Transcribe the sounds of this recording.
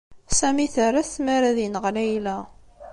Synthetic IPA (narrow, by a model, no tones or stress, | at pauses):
sæmiθəɾæsmaɾæðinəʁlæjlæ